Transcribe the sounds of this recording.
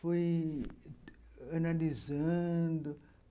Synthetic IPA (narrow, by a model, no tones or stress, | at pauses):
foj | ɐnalizɐ̃d̪ʊ